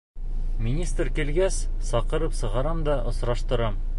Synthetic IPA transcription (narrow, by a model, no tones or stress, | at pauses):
mʲinʲist̪rkilɡæssɒqɤ̆ɾɤpsɤ̆ʁɑɾɑmd̪ɒʔŏsɾɑʃt̪ɤ̆ɾɑm